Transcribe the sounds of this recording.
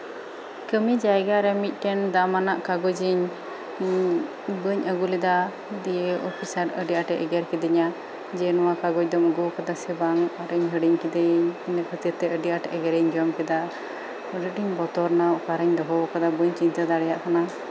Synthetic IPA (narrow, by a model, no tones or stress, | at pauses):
kəmid͡ʒaɛɡaɾɛmic̪̚ˀʈɛnd̪amanaʔkaɡɔd͡ʒiɲ | bəɲəɡulid̪a | d̪ijeɔpʰisaɾəɖiʔaʈɛʔɛɡɛɾkɛd̪ɛɲa | d͡ʒɛnɔwakaɡɔc̚d̪ɔməɡɔkad̪asɛbaŋaɾəɲɦəɽiɲkɛd̪ɛɲnɛkʰət̪iɾt̪ɛəɖiʔaʈɛʔɛɡɛɾɛɲd͡ʒɔmkɛd̪a | ɾəɖiɲbɔt̪ɔɾnaʔkaɾəɲd̪ɔɦɔbɔkad̪abəɲt͡ʃiɲt̪ad̪aɽɛjaʔkana